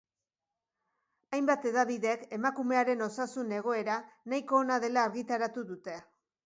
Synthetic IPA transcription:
ajmbat̪e̞ðaβiðe̞ke̞makume̞aɾe̞no̞sasune̞ɣ̞o̞e̞ɾanajko̞ːnaðe̞laːɾɣit̪aɾat̪uðut̪e̞

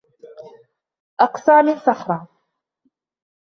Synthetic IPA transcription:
ʔɑqsˤaːmɪnsɑħɾˤɑː

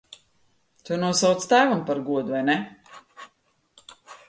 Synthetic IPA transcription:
t̪unuɔsawt̪st̪æːvampaɾɡuɔd̪uvajnɛ

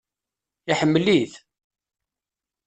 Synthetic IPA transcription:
iħəmːəliθ

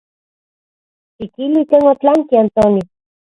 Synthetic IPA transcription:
t͡ʃikilikeŋot̪laŋkiant̪oni

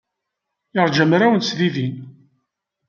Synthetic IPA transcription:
ɪɾˤd͡ʒəmɾæwənsðiðin

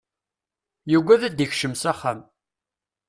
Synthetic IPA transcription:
juɡʷæðæd̪əçʃəmsaχːa̰m

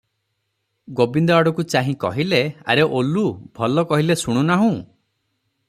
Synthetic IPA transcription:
ɡobind̪ɔaɽɔkut͡ʃaɦĩkɔ̰ɦilea̰ɾeʔolubʱɔlɔkɔɦilesuɽ̃unaɦũ

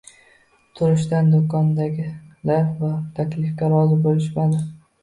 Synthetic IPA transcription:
t̪ʰʊɾɪʃ̬d̪and̪okɒnd̪aɡʲɪlaɾvat̪ʰakʲlɪfkʲaɾɒzɪbolɪʃmad̪ɪ

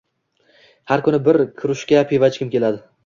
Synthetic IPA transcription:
haɾkʰʊnɪbɪɾkʲʰʊɾɪʃkʲapʰevat͡ʃkʲɪmkʲe̞lad̪ɪ

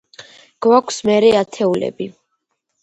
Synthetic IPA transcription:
ɡ̥wakʰsmɛɾɛat̪ʰɛulɛ̰bi

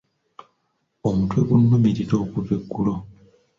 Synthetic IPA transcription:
omutweβunːumiɾitoːkuveɡːulo

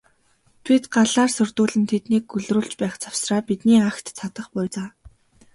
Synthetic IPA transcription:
t̪ʰit̪ɢaɮaːrsɵrʲt̪uːɮɘ̆nt̪ʰet̪niːk̚ɡɵɮruːɮt͡ɕpæːχt͡sʰaw̥sraːpit̪niːaxt̪t͡sʰat̪ə̆χpʊːt͡saː

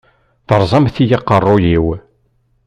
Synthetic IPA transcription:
θəɾˤzˤɑmθijɑqːərˤːojiw

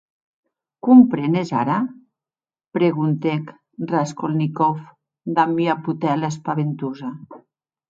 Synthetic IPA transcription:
kumpɾeneza̰ɾa | pɾeɣunt̪ek | raskolnikɔf | d̪amiaput̪ɛlaspaβent̪uza

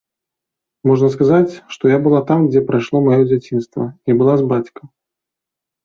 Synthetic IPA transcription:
mɔʐnɐskazat͡sʲʂt̪ɔjabɨlˠat̪amɡd͡zʲɛpɾajʂlˠɔmajɔd͡zʲat͡sʲinst̪vɐnʲibɨlˠazbat͡sʲkɐ

